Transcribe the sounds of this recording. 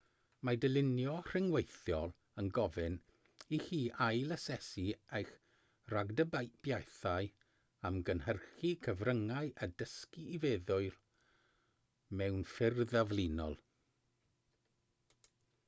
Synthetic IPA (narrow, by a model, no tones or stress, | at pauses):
madəlɪnjɔr̥ɪŋwejθjɔlˠ | ənɡɔvɨn | ihiːʔajləsɛsiejχ | raɡdəbab̥jajθaɨ | amɡənhərχikʰəvrəŋaɨʔədəskiːveːðʊɨr | mɛwnfɪrðavlinɔ̰lˠ